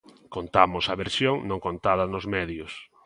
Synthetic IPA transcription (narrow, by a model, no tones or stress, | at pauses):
kont̪amʊsɐβeɾsjoŋnõŋkont̪aðɐnʊzmɛðjʊs